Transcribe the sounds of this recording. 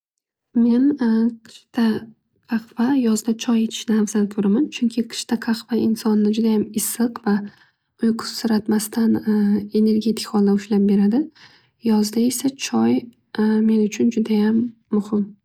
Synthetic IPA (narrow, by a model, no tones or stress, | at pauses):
me̞nqʰɪ̥ʃt̪ʰa | qʰɑqvajɒzd̪at͡ʃʰɒje̞t̪ʰɪ̥ʃnɪafz̥ankʰɵɾamant͡ʃʰʊŋkʲʰɪqʰɨ̥ʃt̪ʰaqʰɑqvaʔɪnsɒnːɪd͡ʒʊd̪ajamɪsɨqva | ʊjqʰʊ̥sːʊɾat̪mast̪ʰane̞ne̞ɾɡʲe̞t̪ʰɪ̥kʲhɒlˠːaʊʃlap̚be̞ɾad̪ɪ | jɒzd̪ae̞sat͡ʃʰɒj | me̞nʊt͡ʃʰʊnd͡ʒʊd̪ajamːʊhɪm